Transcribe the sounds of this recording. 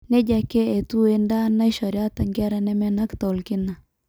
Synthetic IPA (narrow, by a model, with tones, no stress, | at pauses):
nɛ˦d͡ʒa˨ke˦e˨t̪u˦e˦nda˦na˦i˦ʃɔ˨ɾja˦t̪a˨ŋɡa˦ɾa˦nɛ˦mɛ˦na˦kt̪ɔ˨lkɪ˦na˨